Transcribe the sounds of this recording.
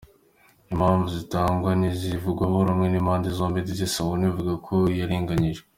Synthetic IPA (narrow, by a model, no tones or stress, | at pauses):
imhaːɱvuzitaːŋɡwanizivuɡwaɦoɾamŋenimhaːndezoːmbidizesawunivuɡakʰojaɾiːŋɡaɲiʒɡe